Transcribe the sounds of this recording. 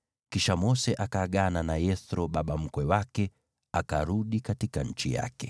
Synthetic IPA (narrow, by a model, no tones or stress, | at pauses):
kiʃamɔsɛʔakaːɠananajɛθɾɔɓaɓam̩kwɛwakɛ | akaɾuɗikatikaɲ̩t͡ʃija̰kɛ